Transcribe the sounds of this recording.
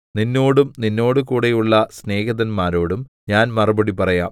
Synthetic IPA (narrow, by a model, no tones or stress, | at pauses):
ninːo̞ːɽumninːo̞ːɽɨkuːɽejuɭːɐsne̞ːɣɐðɐnmaːɾo̞ːɽum | ɲaːnmɐrɐbɐɽipɐrɐjaːm